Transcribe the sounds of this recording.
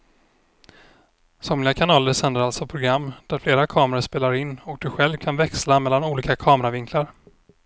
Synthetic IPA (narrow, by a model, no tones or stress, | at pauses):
sɔmlɪakʰanɑːləɾʂɛnd̪əɾalsɔpʰɾʊɡɾamːd̪æɾfleːɾakʰɑːmɾaəʂpeːlaɾɪnːɔk̚d̪̥ɵɧɛlvkʰanvɛkslamɛlːanuːliːkakʰɑːmɾavɪŋkʰlaɾ